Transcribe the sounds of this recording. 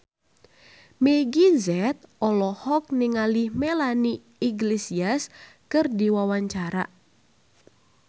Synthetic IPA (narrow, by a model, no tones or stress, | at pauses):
meɡizɛt̪̚ɔlɔhɔk̚nɪŋalihmelani | iɡlesias | kɨrdiwawaɲt͡ʃaɾa